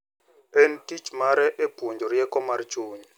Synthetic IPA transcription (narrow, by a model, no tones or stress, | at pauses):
entʼit͡ʃmaɾɛʔeb̥ʱund͡ʒʱɔɾijɛkʼɔmaɾt͡ʃuːɲi